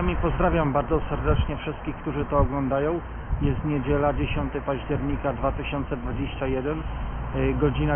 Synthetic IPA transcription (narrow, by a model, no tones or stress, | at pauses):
amʲipɔzd̪ɾavʲjambaɾd̪zɔsɛɾd̪ɛt͡ʂɲɛfʂɘst̪̚kʲixkt̪uʐɘt̪ɔːɡlɔnd̪ajɔ̃w̃ | jɛst̪ɲed͡ʑɛlad͡ʑeɕɔnt̪ɘpaʑd͡ʑɛɾɲikad̪vat̪ɘɕɔnt̪sɛd̪vad͡ʑeɕt͡ɕajɛd̪ɛn | ɡɔd͡ʑina